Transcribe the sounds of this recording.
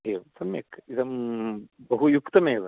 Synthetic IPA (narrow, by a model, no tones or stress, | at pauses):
ɦeʋsɐmjɐkːid̪ɐm | bɐɦujukt̪ɐmeːɐd̪ɐ